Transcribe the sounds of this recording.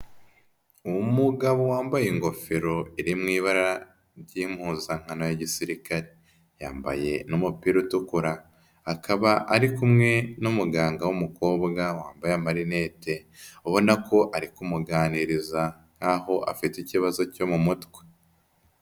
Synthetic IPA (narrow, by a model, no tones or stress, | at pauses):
uwumuɡaβowaːmbajeŋɡo̞feɾo̞iɾimŋiːβaɾaɾa | ɾɟim̥huzaŋ̥anojaɟisiɾikaɾe | ja̰ːmba̰je̞numupiːɾutukuɾaː | kaβaʔaɾikumŋe̞numuɡaːŋɡawumuko̞ːbɡawaːmbajamaɾine̞ːte̞oβo̞nako̞ʔaɾikumuɡaːniɾiza | ŋ̥haho̞ʔa̰fiticiβazo̞co̞mumutwe